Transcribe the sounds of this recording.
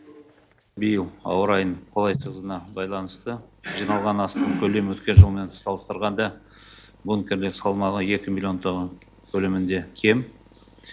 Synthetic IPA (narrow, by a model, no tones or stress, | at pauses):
bijəlˠɑ̰wəɾɑjəɴqʰo̞lˠɑjt̪əzənɑbɑjlˠɑnəst̪əʒijnɑlˠʁɑnɑst̪əɴkʲʰɵle̞mwɵt̪kʲe̞nʒəlˠme̞nsɑlˠəst̪əɾʁɑnd̪ɑ | bunkʲe̞ɾlɪksɑlˠmɑʁəe̞kʲɪmilʲio̞nt̪ʰoʁə | kʲʰɵlɪmɪnd̪e̞kʲʰe̞m